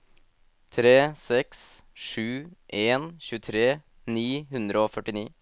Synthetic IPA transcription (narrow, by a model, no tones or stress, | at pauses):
t̪ʰɾeːsɛks | ʂʉːʔeːnçʉːət̪ʰɾeː | niːɦʉnd̪ɾəoːfœʈːɪniː